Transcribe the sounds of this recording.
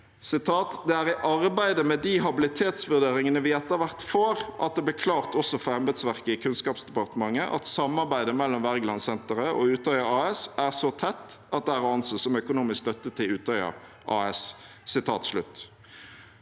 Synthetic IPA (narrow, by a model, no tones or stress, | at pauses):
sɪt̪ʰɑːt̪d̪ɛæːɾɪʔɑɾbæɪd̪əmɛd̪iɦɑbɪlɪt̪ʰeːt̪sʋʉʁd̪eːɾɪŋənəʋɪɛt̪ːəɾʋæʁt̪foːɾʔɑ̰t̪̚d̪ɛb̪ɪkʰlɑːʁt̪ɔsːɔfɔɾɑnbɛt̪sʋæʁkəɪkʰʉnskɑːpsd̪ɛpɑʁt̪əmɑŋːəʔɑ̰t̪sɑmːɑʁbæɪd̪əmɛlːɔmʋæʁɡlɑnsɛnt̪əɾəɔʉːt̪œʏəɑːɛsæʁsɔt̪ʰɛt̪ːɑt̪̚d̪ɛæʁʊɑnsəsɔmœkʊnuːmɪskst̪œt̪ːət̪ʰɪlʉːt̪ʰœʏə̰ | ʔɑ̰ːɛs | sɪt̪ʰɑːt̪slʉ̰t̪ː